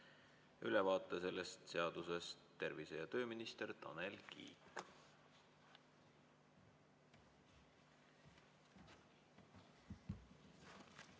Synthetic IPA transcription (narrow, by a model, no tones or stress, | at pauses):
ylɛvɑːt̪ˑːese̞le̞st̪se̞ɑd̪̥use̞st̪ːe̞rvise̞jɑt̪ø̞ːminist̪e̞rt̪ɑ̰nelkḭːk